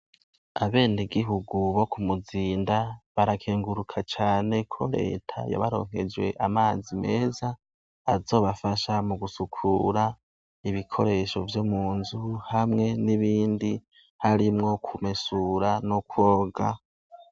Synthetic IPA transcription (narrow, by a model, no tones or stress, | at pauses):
aβe̞ːniɡiɦuɡuβo̞kumuziːndaβaɾakʰeːŋɡuɾukʰat͡ʃaːne̞kʰo̞ɾe̞̰ːtʰa̰ja̰βaɾo̞̰ːŋ̥e̞d͡ʒwe̞̰ʔamaːzime̞ːzaː | zo̞ːβafaʃamuɡusukʰuɾa | iβikʰo̞̰ɾe̞ʃo̞vjomuːnzuhamŋe̞niβiːndi | haɾimŋo̞kʰumesuːɾano̞kwo̞ːɡa